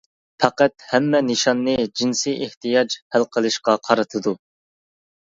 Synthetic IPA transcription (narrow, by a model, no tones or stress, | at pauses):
fʰæqæt̪̚hɛmːɛnɨʃɑnːɨd͡ʒinsijʔeht̪ijɑd͡ʒhælqʰəlˠɨʃqɑqʰɑɾɨt̪ʰɨd̪u